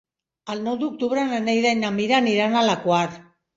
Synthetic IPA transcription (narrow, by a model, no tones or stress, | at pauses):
alnod̪uk̚d̪uβɾananejðajnamiɾaniɾanalakoaɾ